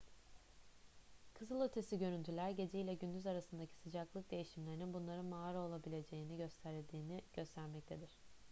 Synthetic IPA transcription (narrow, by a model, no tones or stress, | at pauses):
kʰɯzɯlˠø̞t̪ʰe̞siɟø̞ɾynt̪ʰylʲæɾɟe̞d͡ʒeilʲɛɟynd̪yzaɾasɯnd̪acʰi̥sɯd͡ʒaklˠɯk̚d̪e̞jiʃimlʲe̞ɾininbunlˠaɾɯnmaaɾo̞lˠabilʲe̞d͡ʒe̞jiniɟøst̪ʰæɾd̪iːniɟ̥ø̞st̪ʰæɾmɛc̚t̪ʰe̞d̪iɾ̝̥